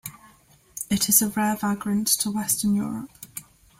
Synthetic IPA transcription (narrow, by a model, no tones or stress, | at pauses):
ɪtʰɪz̥əɹɛːvaɡɹə̃ntʰəwɛstənjɔ̰ːɹə̰p̚